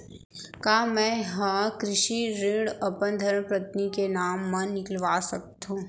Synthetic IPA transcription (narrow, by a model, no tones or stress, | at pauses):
kaːmɛ̃ːɦɐ̃kɾɪʃiɾɪ̃ɽɐpənd̪ʱəɾmpɾɐt̪nikenaːmːãnɪkəlʋaːsɐk̚t̪ɦũː